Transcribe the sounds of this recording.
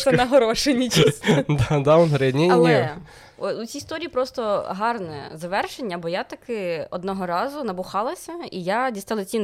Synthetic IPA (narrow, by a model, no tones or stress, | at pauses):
t̪ɛnɐɦɔɾɔʃenʲit͡ʃd̪ad̪aɔnɦɾɪnʲiɐnʲiɛ | ɔʊt͡sʲiːst̪ɔɾʲiːipɾɔst̪ɔɦɑrnɛzɐʋɛrʃenʲːɐbɔjat̪ɐkɪɔd̪nɔɦɔɾɑzʊnɐbʊxɑlˠɐsʲɐijadʲist̪ɪlˠɐt͡sʲin